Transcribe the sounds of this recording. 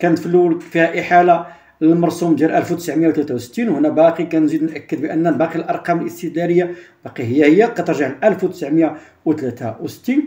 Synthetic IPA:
kænt̪fəlːulfihæʔəħala | ləlmɑɾˤsumd̪jælʔælfwt̪əsʕmjawt̪læt̪awsə̥t̪ːinwhnːæbæqikænzid̪nʔækːəd̪bəʔənːænbɑqilʔɑɾˤqɑməlʔəst̪əd̪læɾəjːab̥ɑqihəjːæhəjːæqɑt̪əɾˤʒaʕlʔælfwt̪əsʕmja | wt̪læt̪awsə̥t̪ːin

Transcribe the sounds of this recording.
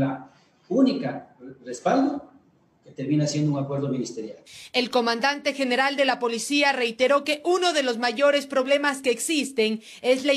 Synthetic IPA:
a | unikarespald̪o | ket̪eɾmĩnasje̞nd̪ouŋakwe̞ɾðomĩnist̪eɾjale̞lko̞mãnd̪ant̪e̞xe̞ne̞ɾald̪e̞lapo̞lisiare̞jt̪e̞ɾo̞ke̞ʔuno̞ðe̞lo̞zmaʝo̞ɾe̞spɾo̞βle̞maske̞ːksist̪e̞n | e̞zla

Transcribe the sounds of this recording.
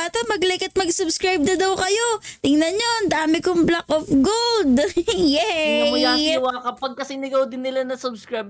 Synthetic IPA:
at̪ɐmɐɡlɛkɐt̪̚mɐɡsʊbskɹajb̚nɐd̪ɐwkɐjot̪ɪŋnɐnjond̪aːmɪkoŋblakʔofɡold̪jɛɐjaːɐwakɐpɐɡ̚kɐsɛnɐɡɐwd̪ɪnːɪlanɐsʊbskɹajb̚

